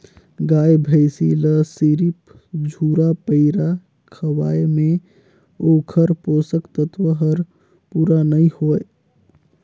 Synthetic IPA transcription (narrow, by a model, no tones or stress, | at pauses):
ɡaːjbʱəɪsiləsiɾip | d͡ʒʱuːɾapəɪɾa | kʰəwa̰ːjmẽ | oːkʰəɾpoːsəkt̪ət̪ʋəɦəɾ | puːɾanəĩhoe